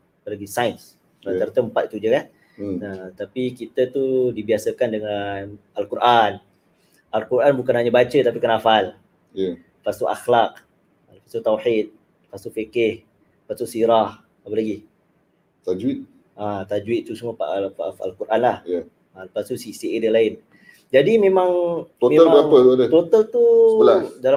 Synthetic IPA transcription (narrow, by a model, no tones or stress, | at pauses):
apalaɡisajns | at̪art̪əəmpat̪̚it̪ud͡ʒəkan | ət̪apikit̪ət̪udibiasəkandəŋan | alkuɾʔan | alkuɾʔanbukanhaɲabat͡ʃət̪apikanafal | ja | ləfast̪uʔa̰xlaq̚ | ləpasut̪awħit̪̚ | fast̪ufikɪh | pat̪uʔsiɾah | apəlaɡi | t̪ad͡ʒwit̪̚ | at̪ad͡ʒuwɪt̪̚t̪usumapa̰ʔafa̰lkuɾʔanlahja | aləpast̪usisiedəlaɪn | d͡ʒadimẽmãŋt̪otmealbapəluadət̪ot̪alt̪uəladal